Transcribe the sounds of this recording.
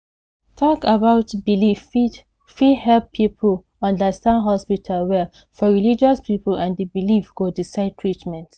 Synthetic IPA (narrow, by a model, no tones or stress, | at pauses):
tʰɔkabaʊtbilifi | fihɛlpʰːipʰəl | ɔ̃ndəstãnɦɔspitʰalwɛ | fɔɹilid͡ʒɔspipəlãndibilifɡ̥odisaɪd̚tʰɹit͡ʃmɛ̃nt